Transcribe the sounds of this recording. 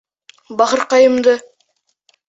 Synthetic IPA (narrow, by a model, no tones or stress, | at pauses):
bɑχɤɾqɑjə̆md̪ɤ